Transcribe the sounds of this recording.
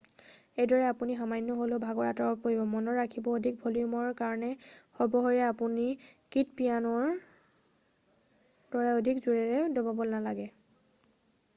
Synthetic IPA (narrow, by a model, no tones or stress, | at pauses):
ejdɔɹɛapuniɦamajnːɔɦolobʱaɡɔɹatɔɹɔpoɹibɔmɔnɔɹːakʰibɔodʱik̚bʱoliumɔɹkaɹɔnɛxɔbɔɦɔɹɛapunikitpijanɔɹ | dɔɹɛodʱikzuɹɛɹɛdobabɔlnalaɡɛ